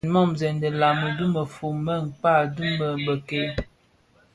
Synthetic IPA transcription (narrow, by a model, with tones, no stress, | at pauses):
nmɔ˦mzɛ˨ndə˨la˨mə˨du˦mə˨fu˨mə˦˨ŋ̩˨k͡pa˦˨du˦mə˨bə˨ke˦